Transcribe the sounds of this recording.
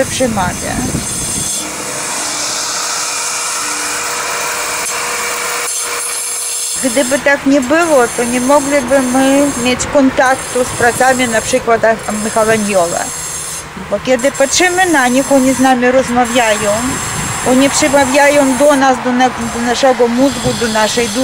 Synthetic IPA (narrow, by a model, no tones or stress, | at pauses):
pʂɛmavʲja̰ | ɡd̪ɘbɘt̪akɲʲɛbɘwɔt̪ɔɲʲɛmɔɡlʲibɘmɘmʲjet͡ɕkɔnt̪akt̪uspɾat̪samʲinapʂɘkwat̪amixalanjɔvɛ̰ | bɔkʲɛd̪ɘpatʂɘmɘnaɲixɔɲiznamʲiɾɔzmavʲjajɔ̃w̃ | ɔɲipʂɛmavʲjajɔ̃w̃d̪ɔnasd̪ɔn | d̪ɔnaʂɛɡɔmuzɡud̪ɔnaʂɛjd̪u